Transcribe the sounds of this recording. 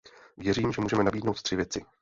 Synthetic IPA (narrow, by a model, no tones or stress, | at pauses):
vjɛɾiːmʒɛmuːʒɛmɛnabiːdnowt̪t̪r̥ɪvjɛt͡sɪ